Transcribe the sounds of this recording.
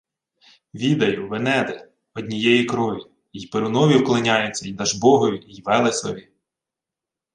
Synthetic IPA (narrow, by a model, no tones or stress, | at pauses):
ʋʲid̪ɐjʊʋenɛd̪ɛ | ɔdʲnʲijɛjikɾɔʋʲi | ijpeɾʊnɔʋʲiwklˠɪnʲɑjʊt͡sʲːɐjid̪ɐʒbɔɦɔjʊijʋɛlˠesɔʋʲi